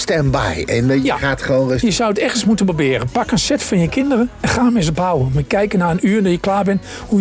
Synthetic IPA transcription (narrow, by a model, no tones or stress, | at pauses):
stɛmbɛ̰jɛnahatχoːnəjəsawətɛɣənsmutənbəbɪːrənpakənsɛtfɔnjəkʰɪndərəɛnxaːmɪs̬əpawəmakɛjkənaːənyːdɔjəklaːbɪn | hu